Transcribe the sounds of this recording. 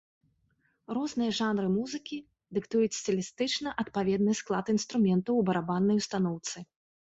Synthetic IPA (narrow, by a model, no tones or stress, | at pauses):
rɔznɨjɐʐanɾɨmuzɨkʲi | d̪ɨkt̪ujut͡sʲsʲt͡sʲilʲist̪ɨt͡ʂnɐʔɐt̪̚pavʲɛd̪nɨsklˠat̪inst̪ɾumʲɛnt̪ɐwbɐɾabanːɐjwst̪anɔwt̪sɨ